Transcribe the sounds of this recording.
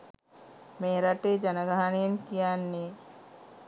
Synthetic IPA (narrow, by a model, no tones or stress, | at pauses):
meːɾaʈeːd͡ʒanəɡaɦanijenkijanːe